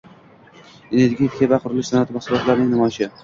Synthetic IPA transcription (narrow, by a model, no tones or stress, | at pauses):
ene̞ɾɡʲijfkʰʲebaqʰʊɾɪlɪʃsanat̪ʰɪmaχsʊlˠɒt̪laɾnɪŋnɪmɒʃɪ